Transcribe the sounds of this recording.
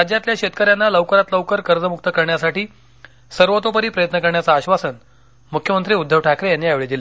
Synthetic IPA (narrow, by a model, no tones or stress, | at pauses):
ɾad͡ʑjat̪ljaɕet̪kəɾjanːaləʋkəɾat̪ləʋkəɾkəɾd͡zəmuk̚t̪əkəɾɳjasaʈiː | səɾʋot̪op̬əɾiːpɾəjət̪nəkəɾɳjat͡saːɕʋasən | mukʰjəmənt̪ɾiːud̪ʱːəʋʈʰakɾejanːiaʋɭed̪ile